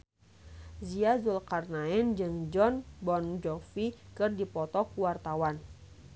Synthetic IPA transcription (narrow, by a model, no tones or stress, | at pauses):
ziazulkarnaɛnd͡ʒɨŋd͡ʒɔnbɔnd͡ʒɔfikɨrdipɔt̪ɔkuwart̪awan